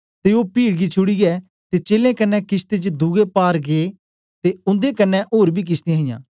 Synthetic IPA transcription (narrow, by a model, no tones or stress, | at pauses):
t̪eoːpiːɽɡiːt͡ʃʰʊɽiɡɛː | t̪eːt͡ʃeːlẽːkənːɛːkɪst̪et͡ʃd̪uːɡepaːɾɡeː | t̪eːʊ̃nd̪eːkənːɛ̃ʔoːɾbʱiːk̬ɪst̪ẽɦɪjã̰ː